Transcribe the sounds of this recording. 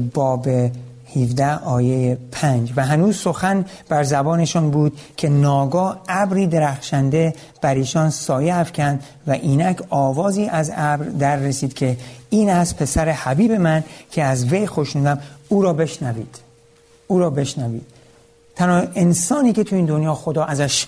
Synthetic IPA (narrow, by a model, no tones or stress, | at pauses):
bɒːbe | hivd̪æhɒːje̞jepʰænd͡ʒvæɦænuːzso̞xæn | b̥æɾzæbɒːne̞ʃɒːnbuːd̪̥̚cʰe̞nɒːɡɒːæbɾiːd̪e̞ɾæxʃænd̪e̞ | b̥æɾiːʃɒːnsɒːjeæfcʰænd̪ | væʔiːnæcʰɒːvɒːziːʔæzæbɾd̪æɾːesiːd̪̥kʰe̞iːnæst̪̚pʰe̞sæɾehæbiːbe̞mæncʰe̞æzve̞jxo̞ʃnuːd̪æmuːɾɒːbe̞ʃnæviːd̪̥ | uːɾɒːbe̞ʃnævḭːd̪̥ | t̪ʰænɒːe̞nsɒːniːkʰe̞t̪ʰuiːnd̪o̞njɒːxo̞d̪ɒːʔæzæʃ